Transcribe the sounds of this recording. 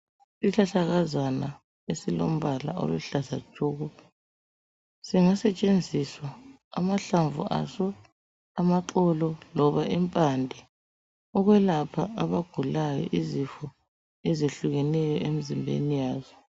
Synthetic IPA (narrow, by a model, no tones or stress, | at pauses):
siɬaɬaɣazana | esilom̩βala̰ɔ̰lɛɬasḁʒ̥ʱoːɣɔ | siŋasɛt͡ʃʼend͡zʱiswa̰ː | maɬaɱvua̰sɔ | amaǃɔlɔlɔβaimpʼandʱi | ɔɣwɛlapʰaʔaβaɡ̥ʱulajɔ̰ʔizifɔ | ɛzeɬuɣɛnɛjɔemizimbʱḛnijaːzɔ